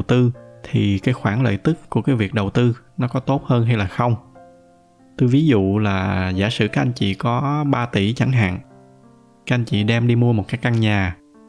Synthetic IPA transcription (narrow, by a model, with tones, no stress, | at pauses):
wt̪ɨ˧t̪ʰi˨˩kaː˨˦jxwaː˧˩nlə̰ː˧˨jt̪ɨ˦˥kːu˧˩əkaː˨˦jvi˨˩ək̚ɗə˨˩wt̪ɨ˧nɔ˨˦kɔ˨˦t̪o˦˥t̚həː˧nɦa˧jlaː˨˩xə˧wŋ͡m | t̪ɨ˧vi˨˦zṵ˧˨laː˨˩za̰ː˧˩sɨ̰˧˩kaː˦˥k̚ʔa˧jŋ̟t͡ɕḭ˧˨kɔ˨˦ɓaː˧t̪i˧˩t͡ɕa˧˩ŋɦa̰ː˧˨ŋ | ka˨˦˥ʔa˧ŋ̟t͡ɕḭ˧˨ɗɛ˧mɗi˧mu˧əmo˨˩t̚kaː˦˥jkːa˧ŋɲaː˨˩